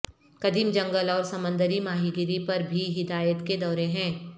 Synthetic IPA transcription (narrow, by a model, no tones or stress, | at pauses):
kɐd̪iːmd͡ʒɐ̃ŋɡəlɔːɾsɐmə̃nd̪əɾimaːɦiɡɪɾipɐɾbʱiɦɪd̪aːjət̪ked̪ɔːɾeɦɛ̃ː